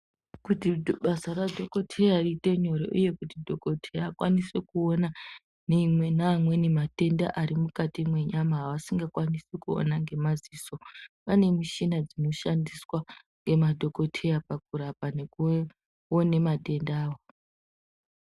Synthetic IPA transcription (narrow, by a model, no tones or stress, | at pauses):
kutiɓasaradʱo̞ko̞tʰe̞jariːte̞ɲo̞ɾo̰ʔuje̞kutidʱo̞ko̞tʰe̞jakwa̰nisekuo̞na | neimwe̞naːmwe̞nemate̞nda̰ʔaɾimukatimwe̞ɲamaɦaʋasiŋɡakwanisikuo̞̰naŋɡe̞maziso̞pane̞muʃinad͡zino̞ʃandiswa | ŋɡe̞madʱo̞ko̞tʰe̞japak̚uɾapaneku | one̞maɗe̞ndaːwo